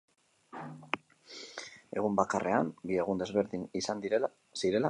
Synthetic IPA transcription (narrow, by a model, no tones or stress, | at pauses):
e̞ɣ̞umbakare̞ambie̞ɣ̞und̪e̞zβe̞ɾðinisand̪i | siɾe̞la